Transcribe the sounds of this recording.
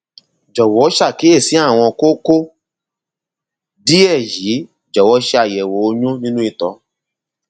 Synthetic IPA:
d͡ʒɔ˨wɔ˨˦ʃa˦˨ke˨˦e˦˨si˨˦a˦˨w̃ɔ̃˧ko˦ko˦ | di˦ɛ˦˨ji˨˦ | d͡ʒɔ˨wɔ˨˦ʃa˨jɛ˨wo˨˦o˧ɲũ˦nĩ˦nũ˦i˦˧˨tɔ˧˦

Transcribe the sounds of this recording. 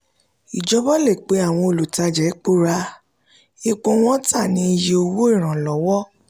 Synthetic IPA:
i˨d͡ʒɔ˧˦bɔ˦le˦˨k͡pe˨˦a˦˨w̃ɔ̃˧o˧lu˨ta˧d͡ʒɛ˨˦k͡po˦ɾa˧ | i˦˧k͡põ˧w̃ɔ̃˦tʰa˦˨nĩ˨˧˦i˧je˧o˧wo˦i˦˨ɾ̃ã˨lɔ˨˦wɔ˦

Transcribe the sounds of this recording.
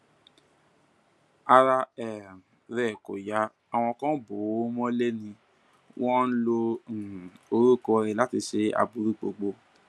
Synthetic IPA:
a˧ɾa˧ɛ˨ | ɾɛ˨ko˨ja˨˦ | a˧w̃ɔ̃˧kã˦bo˨˦mɔ̃˦le˦nĩ˧ | wʔɔ̃˦n̩˦lo˧˨ | o˧ɾu˦˨kɔ˧ɾɛ˧la˦ti˧ʃe˧a̰˧bu˧˦ɾu˦˨k͡po˨ɡ͡bo˧

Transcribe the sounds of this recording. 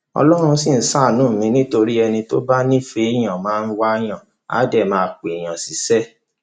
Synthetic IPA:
ɔ̰˧lɔ˦ɾ̃ũ˧si˨n̩˦sa˦˨nũː˨˦˨mĩ˨˧nĩ˦to˧ɾi˦ɛ˧nĩ˧to˦ba˦nĩ˦fe˧˦˨j̃ã˨mãː˨˦n̩˦wa˦j̃ã˦˨ | a̰˨˦dɛ˦˨mãː˨˦˧k͡pe˨j̃ã˨si˨˦sɛ˦

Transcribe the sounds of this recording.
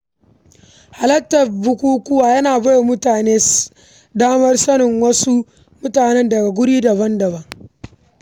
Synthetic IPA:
ha˨lɐ˦ktːɐ˨rbʊ˦kʷuː˦kʷʊ˦waː˨jɐ˦naː˨bɐ˦jo˨mʊ˦taː˨neː˦ | daː˦mɐ˦rsɐ˦nɪ˨ŋwɐ˦su˦ | mʊ˦taː˨nɛ˦ndɐ˨ɡa˨ɡʷʊ˦ɽiː˦dɐ˨βɐ˦ndɐ˨bɐ˦ŋ

